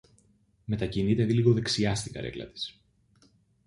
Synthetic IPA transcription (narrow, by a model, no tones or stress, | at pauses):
me̞t̪ɐcinit̪e̞ðiliɣo̞ðe̞ksiɐst̪iɡɐ̰ɾe̞̰klɐ̰t̪i̥s